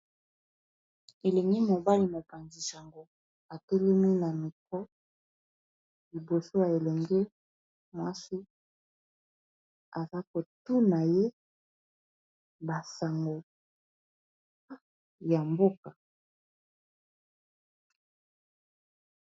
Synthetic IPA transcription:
e˨le˨ŋɡi˦mo˨ba˦li˦mo˨pa˨nzi˨sa˨ŋɡo˦ | a˨tɛ˦le˦m˦i˦na˨mi˨kɔ˦ | li˨bo˨so˦a˨e˨lɛ˨ŋɡe˦ | mwa˦si˦ | a̰˨za˦ko˨tu˦na˨je˦ | ba˨sa˨ŋɡo˨˦ | ja˨mbo˦ka˨

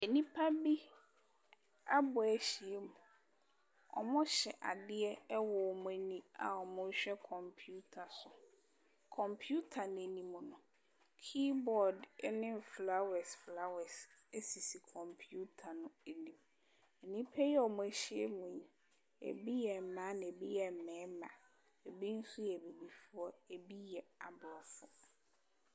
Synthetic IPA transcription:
e˨nĩ˦pʰa˦bi˦ | a˦bʊ˨æ˨ɕi˨e˦mʊ̃˨ | ɔ̰˨mʊ̃˦ɕɛ˨ʔa̰˨dɪ˦ɛ˦wɔ˨ɔ˨mʊ̃˨e˨nĩ˨a˨ɔ˨mʊ̃˦ɕᶣɛ˦kʰɔ̃˨mpʰu˦tʰa˨sʊ˨ | kʰɔ̃˨mpʰu˦tʰa˨ñ˨e˨nĩ˨mʊ̃˨nʊ̃˨ | kʰi˦bɔ˨dnɪ̃˦˨fla˦wɛ˨sfla˦wɛ˨s | e˦si˨si˨kʰɔ̃˨mpʰu˦tʰa˨nʊ̃˨e˨nĩ˨m | ɛ˨nĩ˦pʰɛ˦jɛ˦ɔ˨mʊ̃˦æ˨ɕi˦ḛ˦mʊ̃˨ɲĩ˨ | ḛ˨bi˦jɛ˨mã˨˦nɪ̃˨e˨bi˦jɛ˨mɛ̃ː˨˦mã̰˨ | e˨bi˦n̩˦sʊ˦jɛ˨bi˨bi˨fʊ˦ɔ˦e˨bi˦jɛ˨a˨blɔ˨fʊ˦˨

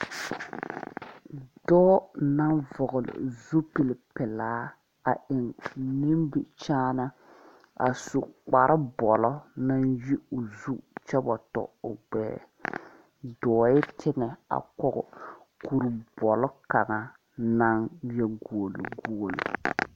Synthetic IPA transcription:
dɔː˦na˦nvɔ˨ɣʊ˨lɪ̰˨zu˦pi˨lɪ˨pɪ˨laː˦ | a˨ʔɪ˨ŋni˦mbi˨t͡ʃaː˦na˦ | a̰˨su˨k͡pa˨ɾɪ˦bɔ˨lɔ˦na˦nji˦ʊ˨zu˦t͡ʃɛ˦bɔ˨tɔ̰˨ʊ˨ɡ͡bɛ̰ː˦ | dɔː˨jɪ˦tʰɪ˦ŋɛ˨a̰˨kɔ˦ɣʊ̰˨ | ku˨ɾbɔ˨lɔ˦ka˨ŋa˨ | na˦ŋjɛ˦ɡuː˨lʊ̰˨ɡu˦˨lo̰˨

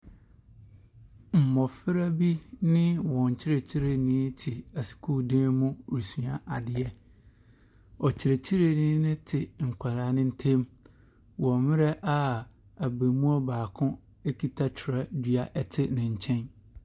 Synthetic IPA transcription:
m̩˨mɔ˨fɪ˦ɾa˦bi˦nɪ̃˦wɔ̃˨ɲ̩˨t͡ɕʰɪ˦ɾe˨t͡ɕʰi˦ɾe˨nĩː˦tʰi˨a˨si̥˨kʰu˦˨dãː˦mũ˦ɾi˨sũ˨a˨ʔa˨dɪ˨ɛ˦ | ɔ˨t͡ɕʰɪ˨ɾe˨t͡ɕʰi˦ɾe˦nĩː˦nɪ̃˦tʰɪ˨ŋ̩˨kʷʰa˨ɾaː˨˦nɪ̃˦n̩˦tʰẽ˦m | wɔ̃˨mɪ̃˦ɾɛ˦ʔa˦˨ | a˨be˨mũ˦ɔ˦baː˨kʰʊ̃˦ | e˦kʰi˨tʰa˦t͡ɕʰɪ˨ɾa˦dɥa˨ʔɛ˦tʰɪ˦nɪ̃˨ɲ̩˨t͡ɕʰɛ̃˦n

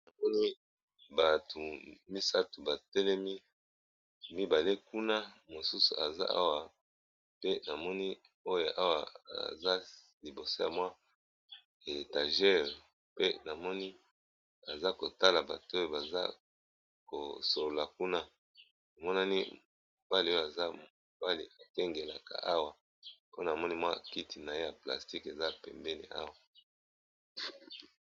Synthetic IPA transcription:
na˨mɔ˦ni˦ | ba˨tʰu˨mi˦sa˦tu˨ba˨tɛ˦lɛ˦mi˦ | mi˦ba˨le˦ku˦na˦mo˨su˦sṵ˨a̰˨za̰˦ʔa̰˦wa˨ | pe˦na˨mɔ˦ni˦ | o˦jo˨ʔa˦wa̰˨a̰˨za˦ | li˨bo˨so˦ja˨mwa˦ | e˨ta˨ʒɛ˦ʁ | pe˦na˨mɔ˦ni˦ | a˨za˦ko˨ta˦la˨ba˨to˦o˦ba˨za̰˦ | ko̰˨so˨lo˨la˨ku˦na˦ | no˨mɔ˦na˦ni˦ | o˨b̥a˦li˨˦o˦o˦˨a˨za˦ | o˨b̥a˦lḭ˨a˨kɛ˦ŋɡe˨la̰˨ka̰˨ʔa˦wa˨ | po˦n˨a˨mɔ˦ni˦mwa̰˦˨ki˦ti˨na˨je˦ja˨pla̰˨sti˦ke˨za˦˨pɛ̰˨mbɛ˦nḭ˨ʔa̰˦wa˦

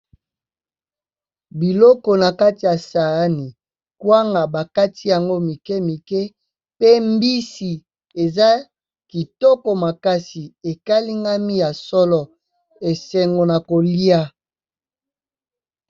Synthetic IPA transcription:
bi˨lɔ˦kɔ˨na˨ka˦ti˨ja˨sa˨˦ni˨ | kwa˦ŋɡa˨ba˨ka˦ti˦ja˨ŋɡo˦mi˨kɛ˦mi˨kɛ˦ | pe˦mbi˦si˨ | e˨za˦ | ki˨tɔ˦kɔ˨ma˨ka˦si˨e˨ka˦li˦ŋɡa˦mi˦ja˨sɔ˦lɔ˨ | e˨sɛ˨ŋɡo˨na˨ko˨li˦a˦

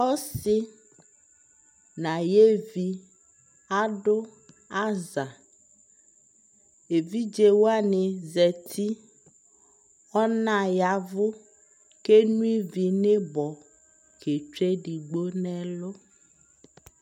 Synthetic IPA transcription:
ɔ˦sɪ˦ | nã˨je˦vi˨ | a˦ɖo˦ | a˦za˨ | e˨vi˦d͡ʒe˨wo˦a˦ne˨zɛ˨t̪ʰi˦ | ɔ˦nã˨ja˨vʊ˦ | ke˦nũ˦i˦vi˨ne˦bɔ˨ | ke˨t͡ʃe˦ɖi˨ɡ͡bo˦nɛ̃˦lo˦

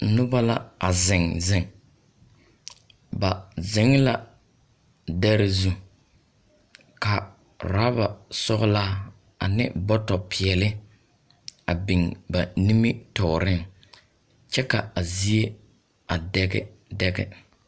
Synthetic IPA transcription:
nʊ˦ba˦la̰˦a˨zɪ˨ŋzɪ˨ŋ | ba˨zɪ˨˦ŋ˦la˦ | dɛ˦ɾɪ˦zu˦ | ka˨ | ɾa˦ba˨sɔ˦ɣʊ˦la˦ | a̰˨nɪ̰˦bɔ˦tɔ˨pʰɪ˨ɛ˨lɪ˦ | a˨bi˨ŋba˨ni˦mi˦tɔ˨ɾɪ˦ŋ | t͡ʃɛ˦ka˨a˨zi˦e˦ | a˨dɛ˦ɡɛ̰˦dɛ˦ɡɛ̰˦

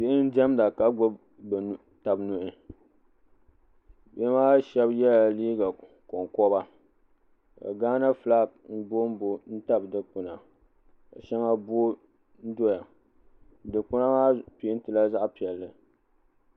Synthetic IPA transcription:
be˦ʔɪ˦n̩˦d͡ʒɛ˦mda˨ka˨ɡ͡bo˦b | b | ta˨bnʊ˨ʔɪ˨ | be˦maː˦ʃɛ˦bjɛ˦la˨liː˦ɡa˨ | kɔ˨ŋkɔ˦ba˦ | ka̰˨ɡaː˦na˦fla˦b̚n̩˦bo˦m˦bo˦n̩˦ta˦bdɨ˨k͡pʊ˨na˨ | ka̰˨ʃɛ˦ŋa˦bo˦ | n̩˦do˦ja˨ | dɨ˨k͡pʊ˦na˦maː˦pi˨˦n˦tɨ˨la˦za˦ʔpi˨ɛ˨lːɨ˨

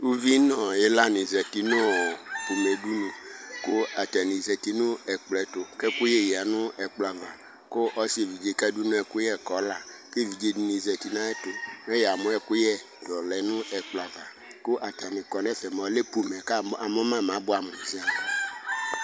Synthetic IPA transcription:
u˦vi˦nɔ̃˨je˦la˦nĩ˨zɛ˨ti˨nõ˦˨pu˨me˨du˦nũ˨ko˦a˨ta˨nĩ˨zɛ˨t̪i˨nũ˦ɛ˨k͡plɛ˨˦to˨kɛ˦ku˦je˦jɛ˨a˨nũ˦ɛ˨k͡pla˨va˨ | ko˦ʔɔ˦si˦e˨vi˨d͡ʒe˨˦kɛ˦du˦nũ˦ɛ˨ku˦jɛ˦kɔ˨˦la˨ke˦vi˨d͡ʒe˦u˦nĩ˨zɛ˨t̪i˨nã˦e˦to˨mɛ˦jɛ˨a˨mõ˨˦ɛ˨ku˦jɛ˦ | dɔ˨lɛ˨nũ˦ɛ˨k͡pla˨va˨ | ko˦ʔa˨ta˨nĩ˨kɔ˨nɛ˦fɛ˨m˨˦le˦pu˨mɛ˨ka˦a˨mɔ̃˦mã˦˨mã˨˦bo˦a˨mõ˨zi˦a˨ɔ˨

